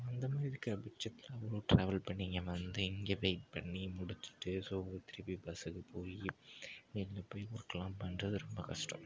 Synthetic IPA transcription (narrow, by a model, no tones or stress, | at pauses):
ɐnd̪ɐmaːðɪɾikɐbɪt͡ʃːɐt̪ːɪlãɛʋɐɭoːʈɾa̰ːʋɐlpɐɳːiːŋɡɐʋɐnd̪ɯɪŋɡeːʋeɪʈ̚pɐɳːimʊɽɯt̪ːɪ̥ʈːɯsoːɔɾɯt̪ɪɾɪpːibɐsɯkːɯpʰoːjinɪlːɐpːoːjʊɾkːɐlãːmpɐnrɐðɯɾɔmbɐkɐʂʈɐ̰̃m